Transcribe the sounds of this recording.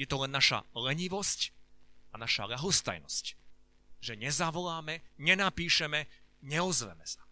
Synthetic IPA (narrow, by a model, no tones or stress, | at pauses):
jɛt̪ɔlɛnːaʃa̰lɛɲiʋɔscanaʃa̰ʎaɦɔst̪a̰jnɔ̰sc | ʒɛɲɛzaʋɔlaːmɛɲɛnapiːʃɛmɛɲɛɔzʋɛ̰mɛsḁ